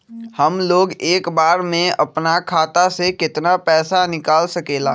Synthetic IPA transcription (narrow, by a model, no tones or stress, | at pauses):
hɐmloːɡeːkbaːɾmẽɐpnakʰaːt̪asekɪt̪napɛːsanɪkaːlsɐkeːlaː